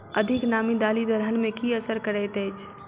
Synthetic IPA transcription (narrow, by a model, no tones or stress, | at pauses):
əd̪ʱɪknaːmid̪aːlid̪əɾənmẽkiəsəɾkəɾɛt̪ɛt͡ʃʰ